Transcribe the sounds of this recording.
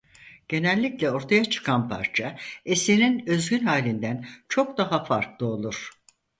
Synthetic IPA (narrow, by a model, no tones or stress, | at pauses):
ɟ̥e̞nɛlʲːiclʲɛo̞ɾt̪ʰajat͡ʃʰɯ̥kʰanpʰa̰ɾt͡ʃʰaesininø̞zɡʲynhaːlʲind̪ænt͡ʃʰo̞kd̪aɦafaɾklˠɯo̞lˠuɾ̥